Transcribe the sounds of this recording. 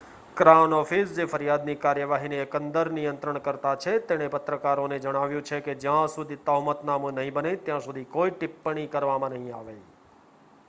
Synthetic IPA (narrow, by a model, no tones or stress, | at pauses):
kɾanɔfisd͡ʒefəɾjad̪nikaɾjəʋaɦineːkənd̪əɾnijənt̪ɾəɳ̃kəɾt̪at͡ʃʰet̪eɽ̃epət̪ɾəkaɾoned͡ʒəɽ̃aʋjũt͡ʃʰeked͡ʒjãsud̪ʱit̪əɦmət̪namũnəɦĩbənet̪jãsud̪ʱikoiʈɪpːəɳ̃ikəɾʋamãnəɦĩa̰ʋe